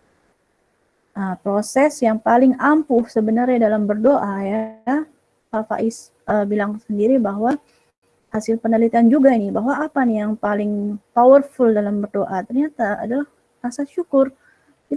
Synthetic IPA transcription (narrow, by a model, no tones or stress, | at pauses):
ʔəmpɾosɛsjaŋpalɪŋampʊhsəbənarɲadalambərdoʔaja | fafa̰ʔɪs | əbilaŋsəndiɾibaɦwa | hasɪlpənəlit̪iand͡ʒuɡainɪbaɦwaːpanijaŋpalɪŋpawərfʊldalambərdoʔat̪ərɲat̪a̰ːdalah | rasaʃukʊr | it̪